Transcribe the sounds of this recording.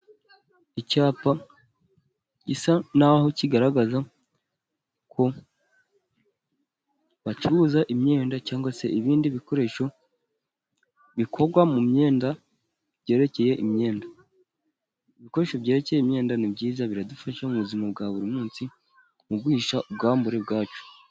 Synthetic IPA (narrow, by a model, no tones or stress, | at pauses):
icaːpa | ɟisanaho̞ciɡaɾaɡaza | kʰo̞ | βaciβuzaʔimɲe̞ːndacaːŋɡwase̞ʔiβiːndiβiko̞ɾe̞ʃo̞ | βikʰo̞ɾɡwamumɲe̞ːnda | bɟe̞ːɾe̞ce̞je̞ʔimɲe̞ːnda | iβiko̞ɾe̞ʃo̞bɟe̞ːɾe̞ce̞jeimɲe̞ːndanibɟiːzaβiɾadufaʃamuβuzimab̚ɡaβuɾimuːnsi | mubɡwiːʃaub̚ɡaːmbuɾebɡaːt͡ʃo̥